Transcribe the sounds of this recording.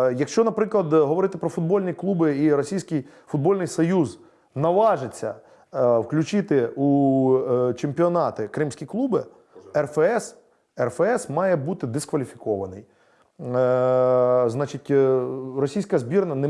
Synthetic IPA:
jɐkʃt͡ʃɔnɐpɾɪklˠɐd̪ɦɔʋɔɾɪt̪ɪpɾɔfʊd̪̚bɔlʲnʲiklˠubɪiɾɔsʲijsʲkʲɪj | fʊd̪̚bɔlʲnɪjsɔjuz | nɐʋɑʒɪt͡sʲːɐ̰ | wklʲʊt͡ʃɪt̪ɪu | t͡ʃempʲiɔnɑt̪ɪkɾɪmsʲkʲiklˠubɪ | ɛrfeɛs | ɛrfeɛsmɑjɛbut̪ɪd̪ɪskʋɐlʲifʲi̥kɔʋɐnɪ̰j | znɑt͡ʃɪtʲrɔsʲijsʲkɐzbʲirnɐnɛ

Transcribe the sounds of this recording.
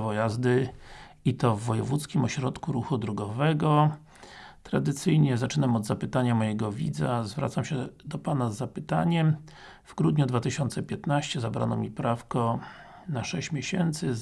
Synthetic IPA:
vɔjazd̪ɘ | it̪ɔvːɔjɛvut̪skʲimɔɕɾɔt̪kuɾuxud̪ɾuɡɔvɛɡɔ | t̪ɾad̪ɘt̪sɘjɲɛzat͡ʂɘnamɔd̪zapɘt̪aɲamɔjɛɡɔvʲḭd̪za̰zvɾa̰t̪samɕɛd̪ɔpanazːapɘt̪a̰ɲɛm | v̥ɡɾud̪ɲud̪vat̪ɘɕɔnt̪sɛpʲjɛt̪naɕt͡ɕɛzabɾa̰nɔmʲipɾafkɔ | naʂɛɕt͡ɕmʲjeɕɛnt̪sɘ

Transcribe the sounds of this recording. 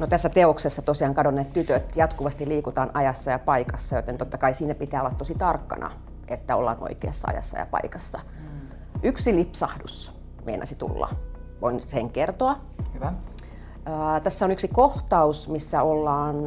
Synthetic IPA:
not̪æsːæt̪eoksesːɑt̪osiɑːŋkɑdonːeːt̪t̪yt̪øt̪jɑt̪kuʋɑst̪iliːkut̪ɑːnʔɑjɑsːɑjɑpɑikɑsːɑjo̰t̪ent̪ot̪ːɑkɑisiːnæpit̪æːolɑt̪t̪osit̪ɑrkːɑ̰nʔɑ̰ | ʔet̪ːæo̰lːɑ̰ːnʔo̰ikeːsːɑ̰ɑ̰jɑ̰sːɑ̰jɑ̰pɑ̰ikɑsːɑ | yksilipsɑhdus | mḛinʔɑ̰sit̪ṵlːɑ̰ | ʋoinseŋkert̪oɑ | əːt̪æsːæonyksikoht̪ɑusmisːæolːɑːn

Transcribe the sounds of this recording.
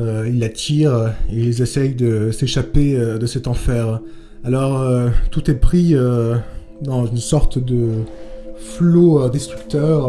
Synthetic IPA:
øilːat̪ʰiʁeilzesɛjd̪əseʃapeød̪əsɛt̪ɑ̃fɛʁ | alɔʁøt̪ut̪ɛpχiø | d̪ɑ̃zynsɔʁt̪d̪ə | floød̪est̪χykt̪œʁ

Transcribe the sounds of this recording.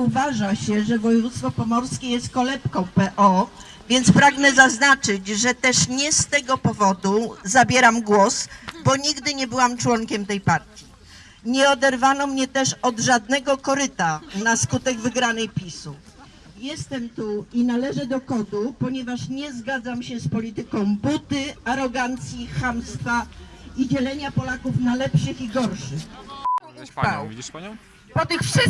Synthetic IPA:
uvaʐaɕɛʐɛvɔjɛvut̪st̪fɔpɔmɔɾskʲɛjɛst̪̚kɔlɛpkɔ̃w̃pɛʔɔ | vʲjɛnt̪spɾaɡnɛzaznat͡ʂɘd͡ʑʐɛt̪ɛʂɲɛst̪ɛɡɔpɔvɔd̪uzabʲjɛɾamɡwɔsbɔɲiɡd̪ɘɲɛbɘwamt͡ʂwɔŋkʲɛmt̪ɛjpaɾt̪ʲji | ɲɛɔd̪ɛɾvanɔmɲɛt̪ɛʂɔd̪ʐad̪nɛɡɔkɔɾɘt̪anaskut̪ɛɡvɘɡɾanɛjpʲisu | jɛst̪ɛmt̪uinalɛʐɛd̪ɔkɔd̪upɔɲɛvaʂɲɛzɡad̪zamɕɛspɔlʲit̪ɘkɔ̃w̃but̪ɘaɾɔɡant̪sʲjixamst̪faid͡ʑɛlɛɲapɔlakufnalɛpʂɘxiɡɔɾʂɘx | pɔt̪ɘxfʂ

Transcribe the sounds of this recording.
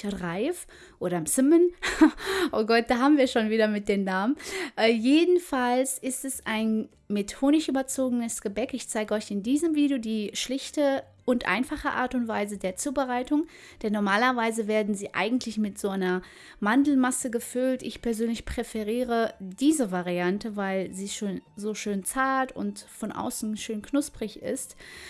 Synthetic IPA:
ʁaɪf | ʔoːɾɐɪmt͡sɪmən | ʔoːɡɔt̚d̥aːɦaːbm̩viːɐʃoːnviːɾɐmɪt̚d̥eːnnaːmənʔɛːjeːdn̩falsɪstɛsaɪn | metʰoːnɪçʔyːbɐt͡soːɡənəsɡ̥əbɛkɪçt͡saɪɡəɔʏçɪndiːzəmviːdjodiːʃlɪçtə | ʔʊntʔa̰ɪnfaχəʔa̰ːɐtʊntv̥aɪzədeːɐt͡suːbəʁaɪtʊŋ | d̥ɛnːɔɐmaːlɐvaɪzəveːɐdn̩ziːʔa̰ɪɡŋ̩tʰlɪçmɪtz̥oːaɪnɐ | mandl̩masəɡəfʏltɪçpʰɛɐzøːnlɪçpʁ̥efɛʁiːʁədiːzəvaʁiantəvaɪlziːʃoːnzoːʃøːnt͡saɐtʊ̰ntfɔnʔa̰ʊsn̩ʃøːnkʰnʊspʁ̥ɪçɪ̰st

